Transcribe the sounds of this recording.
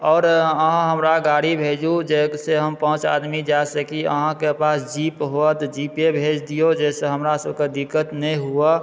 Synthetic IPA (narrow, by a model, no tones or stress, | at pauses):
ɔːɾəɦãɦəmɾaɡaːɽibʱeːd͡ʒud͡ʒekseɦəmpəɦʊ̃t͡ʃa̰ːd̪mid͡ʒasəkiə̰ɦãkepaːsd͡ʒiːpɦoət̪d͡ʒiːpebʱeːd͡ʒd̪ijod͡ʒɛːseɦəmɾasəbʱked̪ikːət̪nəĩɦua